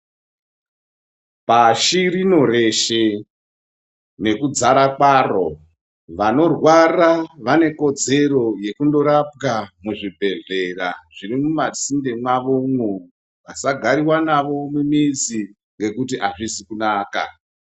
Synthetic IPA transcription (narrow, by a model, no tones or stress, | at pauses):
paʃiɾino̞ɾe̞ʃe | ne̞kud͡zaɾakwaro̞̰ | ʋano̞rwaraʋane̞ko̞d͡ze̞ro̞je̞kundo̞ɾap̚ɡamuʐibʱe̞ɮe̞raʐiɾimumat͡sindemwaʋomwu | ʋasaɡʱaɾiwanaʋo̞mumid͡zi | ŋɡe̞kut̬iʔaʐisikunaːka̰